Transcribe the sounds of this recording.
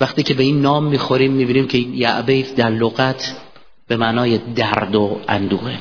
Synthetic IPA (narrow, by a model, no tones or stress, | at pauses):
væχt̪iːcʰe̞be̞iːnːɒːmːiːxoɾiːmːiːbiːniːmcʰejæʔbejfd̪æɾloɣæt̪ʰ | b̥e̞mæʔnɒːjed̪æɾd̪oʔæ̰nd̪uːɣe